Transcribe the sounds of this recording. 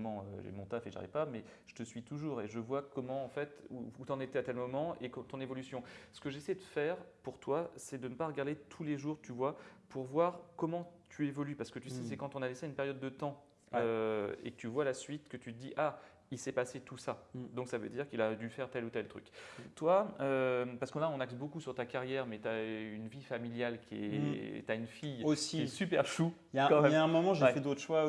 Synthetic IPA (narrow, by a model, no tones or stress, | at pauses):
mɑ̃øʒḛmɔ̃t̪afeʒa̰ʁḭvpamɛ | ʒ̥ə̥t̪əsɥit̪uʒuːʁeʒəvwakɔmɑ̃ːfɛt̪uːt̪ɑ̃net̪ɛat̪ɛlmɔmɑ̃ʔekt̪ɔ̃nevɔlysjɔ̃sə̥kəʒesɛjed̪əfɛːʁpuʁt̪wasɛd̪ənəpaʁəɡaʁd̪et̪ʰuleʒuʁt̪ʰyvwapuʁvwaʁkɔmɑ̃t̪ʰyevɔlypaʁsə̥kət̪ysɛsɛkɑ̃t̪ɔ̃naleseynpeʁjɔd̪ːət̪ɑ̃ | øḛkə̥t̪yvwalasɥit̪kət̪yəd̪iʔa | ilsɛpaset̪usad̪ɔ̃ksavø̰d̪iʁkilad̪ylfɛʁt̪ɛlut̪ɛlt̪χy̰kt̪waøpaʁsəkɔ̃laɔ̃naksbokusyʁt̪akaʁjɛʁmɛt̪yaynvifamiljalkʰʲiɛ̰t̪yaynfijosiiɛsypɛʁʃujakɑ̃mɛmaɛ̃mɔmɑ̃ʒeɛfɛd̪ot̪χəʃwa